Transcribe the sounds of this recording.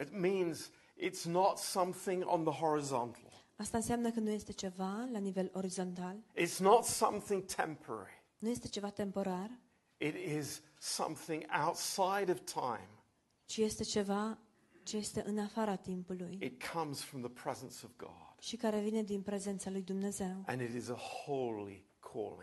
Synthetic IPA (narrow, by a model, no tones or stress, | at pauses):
ɨt̚mĩnz | ʔɪtsnətsʌ̃mθɪ̃ŋə̰̃nðəɦɔɹɨzɑ̰̃ntʰˡl̩ˠ | ast̪aɨnsjamnəkənuje̞st̪e̞t͡ʃe̞valanive̞lo̞ɾizo̞nt̪alɪtsnətsʌ̰̃mθɪ̃ŋtʰɛ̰̃mpʰə˞ɛ̰ɹi | nuje̞st̪e̞t͡ʃe̞vat̪e̞mpo̞ɾar | ɪɾɪz̥ | sʌ̰̃mθɪ̃ŋa̰ʊtsaɪɾʌv̥tʰãɪ̃m | t͡ʃijest̪e̞t͡ʃe̞va | t͡ʃe̞je̞st̪e̞ʔɨnafaɾat̪impulujɨt̚kʰʌ̃mz̥fɹʌ̃mðəpʰɹ̥ɛz̃nsʌvɡɑ̰d̥ʃikaɾe̞vine̞d̪inpɾe̞ze̞nt̪salujd̪umne̞ze̞wʔɨ̰̃nɨɾɪzəhoʊlˠḭ | kʰɔ̰lˠɪ̰̃ŋ